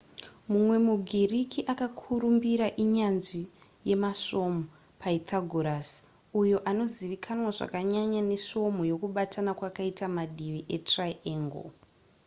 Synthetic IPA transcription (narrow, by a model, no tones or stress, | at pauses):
mumwe̞muɡʱirikʰiʔakakʰuɾumbiɾaʔiɲanʐi | je̞maso̞mo | pʰaitʰaɡʱoɾas | ujo̞ʔano̞ziʋikʰanwaʐa̰kaɲaɲane̞so̞mojo̞kuɓatʰanakwakaitamaɗiʋiʔe̞traieːŋɡo̰